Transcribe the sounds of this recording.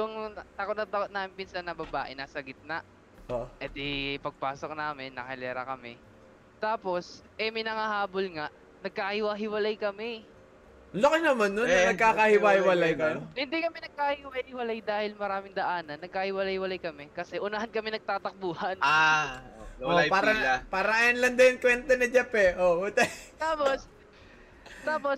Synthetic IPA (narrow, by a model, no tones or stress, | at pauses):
jʊŋt̪ɐkot̪nɐt̪ɐkot̪naːmɪnpinsanɐbɐbaːʔɪnasɐɡɪt̪̚naʔ | ʔoʔɛd̪ɛjpɐɡ̚paːsok̚naːmɪnːɐ̰hɛlɛːɾɐ̰kɐmɛ | t̪aːpo̞sʔɛmɐjnɐŋahaːbolŋaʔ | nɐɡ̚kaɐhɪwaɦɪwɐlajkɐmɛ | lɐkɪnɐmanːonɐnɐɡ̚kaːkɐhɪwahɪwɐlajkɐjohɪnd̪ikɐmɛnɐɡ̚kaːhɪɪwahɪwɐlajd̪aːhɪlmɐɾaːmɪŋd̪ɐʔaːnɐnːɐɡ̚kaːhɪwɐlajhɪwɐlajkɐmɛkɐsɛʔʊnɐɦankɐmɛnɐɡ̚t̪aːt̪ɐk̚buːhɐnʔa | opaːɾɐpaːɾɐŋɐjɐnlɐnd̪ɐjɐnkwɛnt̪ɐnɐd͡ʒɐpɛʔout̪ɛt̪aːpos | t̪aːpo̞s